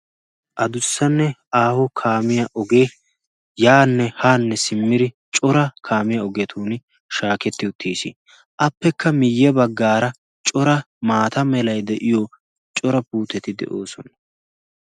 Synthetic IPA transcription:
ʔɐd̪ʊsːɐnːɛʔaːhɔkʰaːmɪjɐʔɔɡeː | jaːnːɛhaːnːɛsɪmːɪɾɪ | t͡ʃʼɔɾɐkʰaːmɪjɐɔɡɛt̪ʰuːn | ʃaːkɛt̪ːɪʊt̪ʰːiːsḭ | ʔɐpːɛkʰːɐmɪjːɛbɐɡːaːɾɐ | t͡ʃʼɔɾɐ | maːt̪ɐmɛlɐjd̪ɛʔɪjo | t͡ʃʼɔɾɐpuːt̪ːɛt̪ɪd̪ɛ̰ʔoːsɔnɐ

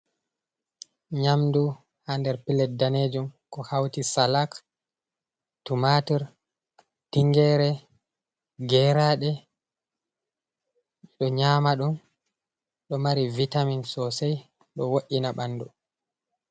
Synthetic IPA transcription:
ɲamdu | handɛɾpilɛt̚daneːd͡ʒumkɔhawtisalak | tumatiɾ | tiŋɡɛːɾɛ | ɡɛɾaɗɛ | ɗɔɲaːmaɗum | ɗɔmaɾivitaminsɔsɛj | ɗɔwoʔːinaɓanːdu

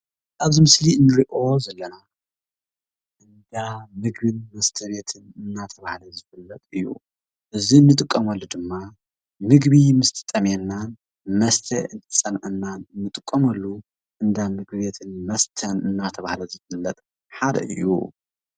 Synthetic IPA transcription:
ʔaβzimɨsliɨnːɨɾiʔo̞zɐlːɐna | ʔɨnd̪amɨɡβinmɐst̪ʰɐβe̞t̪ʰɨnɨnːat̪ʰɐβahlɐzɨfɐlːɐt̪ʼɨjːṵ | ʔɨziɨnːɨt̪ʼɨkʼːɐmɐlːud̪ɨmːa | mɨɡβimɨst̪ʰɨ̥t̪ʼɐmɛnːan | mɐst̪ʰɐɨnt̪ʰɨsʼɐnʕɨnːanɨnːɨt̪ʼɨkʼːɐmɐlːu | ʔɨnd̪amɨɡ̚biβe̞t̪ʰɨnmɐst̪ʰɐnɨnːat̪ʰɐβahlɐzɨfɨlːɐt̪ʼ | ħad̪ɐ̰ʔɨ̰jːṵ

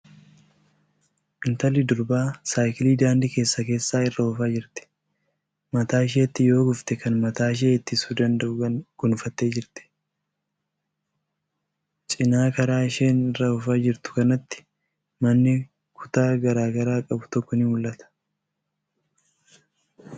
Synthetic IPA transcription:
ʔɪnt̪ɐlɪd̪ʊɾbaːsaːjkɪliːd̪aːnd̪ike̞ːsːɐke̞ːsːaːɪrːɐʊfaːd͡ʒɪɾt̪ɪ̥ | mɐt̪aːɪʃ̬eːt̪ːɪjo̞ːɡʊft̪ɛkɐnmɐt̪aːɪʃ̬eːɪt̪ːɪsuːd̪ɐnd̪ɐʔʊɐɡ̥ʊnʊfɐt̪ːe̞ːd͡ʒɪɾt̪ɪ̥ | t͡ʃʼɪnaːkɐɾaːɪʃe̞ːnɪrːɐʊfaːd͡ʒɪɾt̪ʊ̥kɐnɐt̪ːɪ̥ | mɐnːɪ | kʰʊ̥t̪aːɡɐɾaːɡɐɾaːkʼɐbʊt̪ɔkːɔnɪmʊlːɐt̪ɐ̥

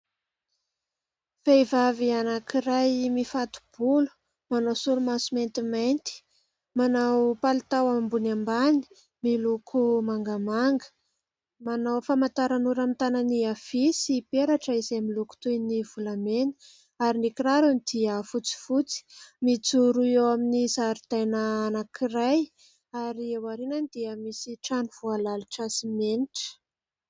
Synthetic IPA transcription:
fejvavianakiɾajmifat̪u̥b̥ulu̥ | manawsulumasument̪imajnt̪i̥ | manawpalit̪awambunambani̥ | milukʰumaŋɡamaŋɡə̥ | manawfamant̪aɾanuɾamit̪ananiafisipeɾaʈ͡ʂəizemiluku̥t̪ujnivulameni̥ | aɾinikiɾaɾanid̪iəfut͡si̥fut͡si̥mit͡suɾuewaminizaɾid̪̥ajnəːnakʰiɾaj | aɾiewaɾinanid̪̥iəmisiʈ͡ʂaniv̥ualaluʈ͡ʂasimeniʈ͡ʂə̥

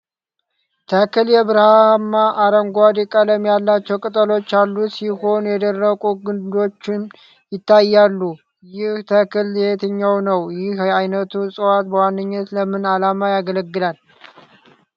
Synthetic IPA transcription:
t̪ʰəkʰɨljɛβɨɾhamːaʔaɾəŋɡʷad̪ikʼələmjalːat͡ʃːɛwkʼɨt̪ʼəlo̞t͡ʃːalːusiho̞njɛd̪ərːəkʼuɡɨnd̪o̞t͡ʃːɪn | jɪt̪ʰːajːalːu | jɪht̪ʰəkʰɨlːhet̪ʰɨɲːawnəwjɪhajnət̪ʰusʼɨwat̪bəwanːɨɲːət̪ləmɨnalamajaɡələɡːɨlal

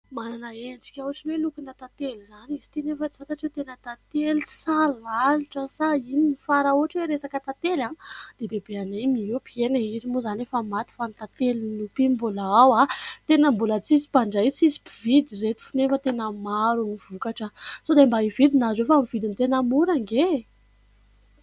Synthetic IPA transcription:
mananəend͡zi̥kʲawaʈ͡ʂinwelukinət̪at̪elizanizi̥t̪inefət͡si̥fat̪at͡set̪enət̪at̪elissalaliʈ͡ʂəsaininifaɾauaʈ͡ʂweɾesakət̪at̪elanid̪̥ebebeanemiewpienaizimuzanefamat̪i̥fant̪at̪elinupimbulaawat̪enəmbulət͡sisi̥paɳɖ͡ʐait͡sisi̥pivid̪iret̪i̥finefət̪enəmaɾuniv̥ukaʈ͡ʂəsod̪embaivid̪inazefaamivid̪int̪enamuɾaŋɡe

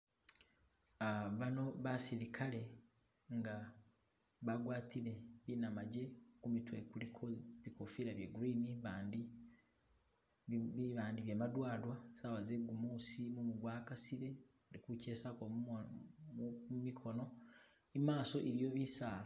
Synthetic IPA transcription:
aβano̞βasiɾikʰale̞ | ŋɡa | βaɡwaːtiɾe̞βinamaɟe̞kumitwekulikʰoβikofiɾaβjeɡuɾiniβandi | iβaːndiβjemadwaːlwasawazeɡumusimumuɡwaːkasiɾe̞ | aɾikuce̞ːsako | mumikʰo̞no̞ | imaːso̞ʔeɾijo̞βisaːla

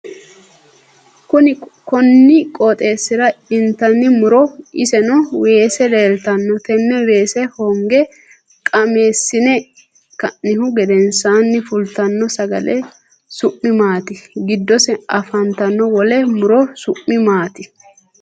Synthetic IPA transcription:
kʊnɪkɔnːɪkʼɔt̪ʼe̞ːsːɪɾɐɪnt̪ɐnːɪmʊɾɔɪsɛnɔwe̞ːsɛd̪eːlt̪ɐnːɔt̪ɛmːɛweːsɛhɔŋɡɛ | kʼɐme̞ːsːɪnɛ | kɐnːɪhʊɡɛd̪ɛnsaːnːɪfʊlt̪ɐnːɔsɐɡɐ̰lɛ | sʊʔːɪmaːt̪ɪɡɪd̪ːɔsɛɐfɐnt̪ɐnːɔwɔlɛmʊɾɔsʊʔːɪmaːt̪ɪ

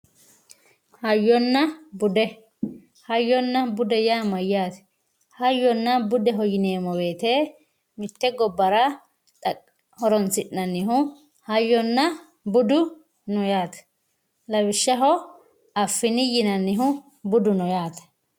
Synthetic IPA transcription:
hɐjːɔnːɐbʊd̪ɛ | hɐjːɔnːɐbʊd̪ɛjaːmɐjːaːt̪ɛ̥ | hɐjːɔnːɐbʊd̪ɛɦɔjɪne̞ːmɔwe̞ːt̪eː | mɪt̪ːɛɡɔbːɐɾɐ | t̪ʼɐ | hɔɾɔnsɪʔːɐnːɪɦʊ | hɐjːɔnːɐ | bʊd̪ʊ | nɔjaːt̪ɐ̥ | lɐwɪʃːɐɦɔ | ɐfːɪnɪjɪnɐnːɪɦʊ | bʊd̪ʊnɔjaːt̪ɐ̥

